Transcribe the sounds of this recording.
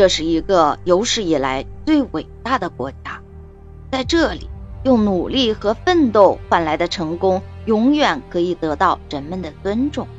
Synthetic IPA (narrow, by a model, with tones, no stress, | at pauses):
ʈ͡ʂɤ˥˧ʂɻ̩˥˩i˧˥ɡə˧jo˧˥ʊʂɻ̩˥˩i˨˩la˧˥ɪt͡swe˥˩ɪwe˨˩ɪt̪a˥˩d̪ə˩kwɔ̰˧˥t͡ɕja˥ | t͡sa˥˧ɪʈ͡ʂɤ˥˩lḭ˨˩jʊ˥˩ŋnu˨˩li˥˩xɤ˧˥fə˥˧nt̪o˥˧ʊxwa˥˩nla˧˥ɪd̪ə˧ʈ͡ʂʰɤ˧˥ŋkʊ˥ŋjʊ˧˥ŋjɥɛ˨˩nkʰɤ˧˥i˨˩t̪ɤ˧˥t̪ɑ˥˩ʊɻə˧˥nmə˧˨nd̪ə˩t͡swə˥nʈ͡ʂʊ˥˩˦ŋ